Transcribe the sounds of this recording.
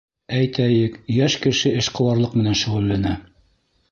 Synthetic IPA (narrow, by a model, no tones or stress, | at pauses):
æjt̪ʰæjɘkjæʃkɘ̆ʃɘɘʃqɤ̆wɑɾlˠɤqmɘ̆nænʃɘ̆ʁulːænæ